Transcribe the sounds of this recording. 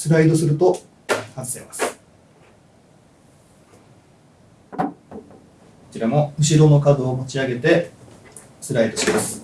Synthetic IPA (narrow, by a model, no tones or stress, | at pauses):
sɨɾaid̪o̞sɨɾɯ̟t̪o̞ | hãɰ̃se̞ːmasɨ̥ | ko̥t͡ɕiɾamo̞ɯ̟ɕiɾo̞no̞kad̪o̞ːmo̞t͡ɕiaɡe̞t̪e̞ | sɨɾaid̪o̞ɕimasɨ̥